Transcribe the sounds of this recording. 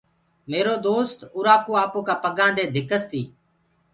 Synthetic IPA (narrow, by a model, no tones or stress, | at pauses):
meːɾoːd̪oːst̪ʊːɾaːkuːaːpuːkaːpəɠãːnd̪eːd̪ʱɪkəst̪ʰiː